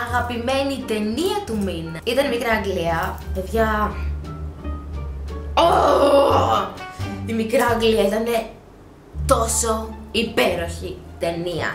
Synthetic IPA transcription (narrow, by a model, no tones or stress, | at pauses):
ɐɣɐpime̞nit̪e̞niɐt̪uminɐit̪ɐnimikɾɐɐŋɡliɐpe̞ðʝɐ | o | t̪imikɾɐːŋɡliɐit̪ɐne̞ | t̪o̞so̞ipe̞ɾo̞çit̪e̞niɐ̰